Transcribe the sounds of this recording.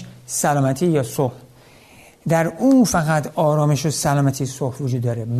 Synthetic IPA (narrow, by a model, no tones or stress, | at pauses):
sælɒːmæt̪ʰiːjɒːsoh | d̪æɾuːfæɣæt̪ʰɒːɾɒːme̞ʃosælɒːmæt̪ʰiːsohvod͡ʒuːd̪ːɒːɾeb